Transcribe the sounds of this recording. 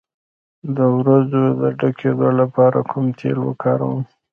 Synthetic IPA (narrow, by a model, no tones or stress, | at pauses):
d̪əwɾazod̪əɖakʰed̪olapɑɾakʰʊmt̪ʰḛlwə̰kɑɾa̰wəm